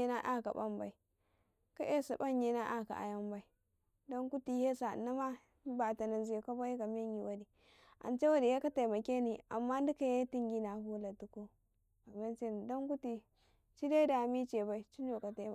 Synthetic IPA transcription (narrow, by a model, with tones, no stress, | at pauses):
e˦na˦ʔa˦ka̰˨ba˦mba˨i˨ | ka˦ʔe˦sa˨ba˦ɲje˦na˦ʔa˦ka̰˨ʔa̰˨ja˦mba˦i˨ | do˦ŋku˦ti˨he˦sa˨na˦ma˦ | ba˨ta˨na˨nzi˨˦e˨ko˦ba˦je˦ka˨me˦ɲi˨wa˦di˨ | ʔa̰˨nt͡ʃe˦wa˦di˨ja˦ka˦ta˨ma˨kʲe˦ni˨a̰˨mːa˦n˦di˦ka˨je˦ti˦ŋɡi˦na˨hu˦la˨tu˨ko˦ | ka˨me˦t͡ʃe˦ni˨do˦ŋku˦ti˨ | t͡ʃi˦de˦da˨mi˦t͡ʃe˨ba˨i˨˦t͡ʃi˦n˦o˨ka˨te˨˦˨